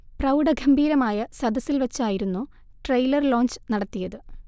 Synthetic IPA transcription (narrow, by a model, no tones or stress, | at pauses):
prɐwɽɐɡʱɐmbʱiːɾɐmaːjɐsɐd̪ʱɐsːilʋɐt͡ɕːaːjiɾunːu | ʈrɐjlɐrlo̞ːnt͡ɕɨ̥nɐɽɐt̪ːijɐðɨ